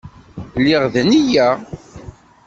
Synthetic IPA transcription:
lːɪʁðənijæ

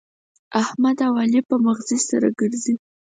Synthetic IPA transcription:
ahmad̪awalipəmaɣzisaɾa̰ɡəɾzi

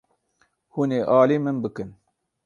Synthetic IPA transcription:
huːneːʔɑːliːmɨnbɨkɨn

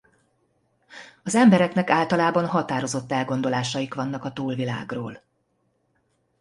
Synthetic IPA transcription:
ɒzɛmbɛɾɛknɛkaːlt̪ɒlaːbɒnɦɒt̪aːɾo̞zo̞t̪ːɛlɡo̞nd̪o̞laːʃɒjikʋɒn̪ːɒkɒt̪uːlvila̰ːɡroːl

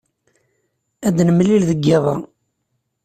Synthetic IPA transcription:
æd̪nəmːlilðəɡːæðˤɑ

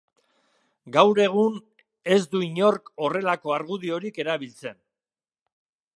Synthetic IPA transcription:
ɡawɾe̞ɣ̞un | e̞zd̪uiɲo̞ɾko̞re̞lako̞aɾɣuðio̞ɾike̞ɾaβ̞ilt͡se̞n

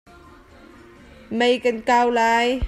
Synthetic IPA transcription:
mejkankaːwlaːj

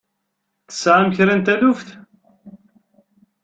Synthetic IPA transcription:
θə̥sʕamçɾænt̪ænʊfθ

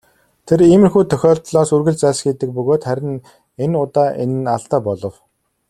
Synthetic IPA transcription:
t̪ʰeɾiːmɘ̆rxuːt̪ʰœxʲɔːɮt̪ɮɔːsɵrɣɘ̆ɮt͡sæːsxiːt̪ɘ̆k̚pɵɣoːt̪χæɾʲɪ̆n | enʊt̪aːʔen̆naɮt̪aːpɔɮɞ̆w

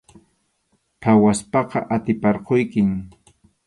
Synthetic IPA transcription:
pʰawaspɑqɑ̰ʔat̪ɪpɑɾqojkɪŋ

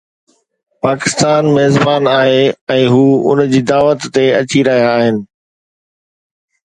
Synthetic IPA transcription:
paːkɪst̪aːnmeːzbaːnaːɦeɛ̃ːɦuːʊ̰nd͡ʑiːd̪aːʋət̪ːeɐt͡ɕiɾɐɦijaːɦɪnɪ̆

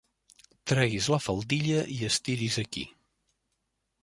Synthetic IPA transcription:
t̪ɾɛɣizləfəlˠd̪iʎəʔiəst̪iɾizəkḭ

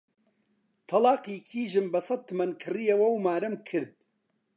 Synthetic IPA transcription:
t̪ʰɐlɑːqiːkʰiːʒɨmbɐsɐt̪̚t̪ʰːɨmɐnkʰɨrijɐwɐwmaːɾɐmkʰɨɾd̪̚

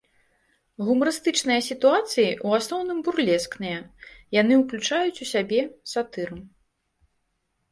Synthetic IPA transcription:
ɣumɐɾɨst̪ɨt͡ʂnɨjɐsʲit̪uat̪sɨjiʔuasnɔwnɨmburlʲɛsknɨjɐjan̪ɨwklʲut͡ʂajut͡sʲusʲabʲɛsat̪ɨɾɨm

